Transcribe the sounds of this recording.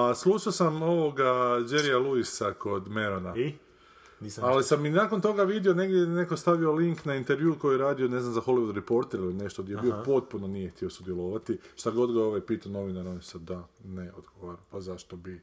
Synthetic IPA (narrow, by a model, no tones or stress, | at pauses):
aslˠuʃaosamo̞ʋoɡad͡ʒeɾijalˠuisako̞d̪me̞ɾona | alisamːinaːko̞nt̪o̞ɡaʋid̪io̞ne̞ɡd̪jene̞ko̞st̪aʋio̞liŋknaint̪eɾʋjuːko̞jieɾaːd̪io̞ne̞znamzaxo̞liʋud̪ɾepo̞ɾt̪eɾline̞ʃt̪od̪jebiopo̞t̪̚punonijext̪io̞sud̪jelˠoʋat̪iʃt̪aɡo̞d̪ɡooʋajpiːt̪ano̞ʋinaɾonisad̪aneod̪ɡoʋaɾampazaʃt̪obi